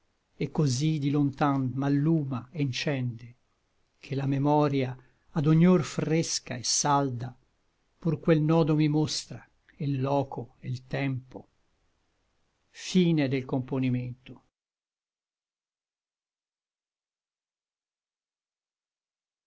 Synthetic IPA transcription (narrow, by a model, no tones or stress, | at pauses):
ekːozid̪ilont̪anmalːuːmaint͡ʃɛnd̪e | k̟ʰelamemɔːɾja | ad̪oɲːorfreska̰esːald̪a | purkwelnɔːd̪omimost̪ɾa | ilːɔːkoelt̪ɛmpo | fiːned̪elkomponiment̪o